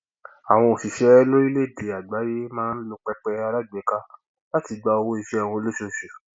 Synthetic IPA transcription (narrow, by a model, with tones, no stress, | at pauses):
a˨w̃ɔ̃˧o˨si˨ʃɛ˦lo˦i˦le˦˨de˨a˨ɡ͡ba˨˦je˦mãː˦n̩˦lo˧k͡pɛ˧k͡pɛ˧a˧la˦˨ɡ͡bɛ˨˦ka˧ | la˦ti˨˧ɡ͡ba˧o˧wo˦i˧fe˦a˦˨w̃ɔ̃˧o˧lo˦ʃo˧˨ʃu˨